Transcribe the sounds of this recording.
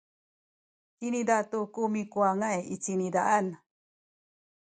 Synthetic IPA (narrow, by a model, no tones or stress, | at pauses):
inid̪at̪ukumikuaŋajit͡sinid̪aʔan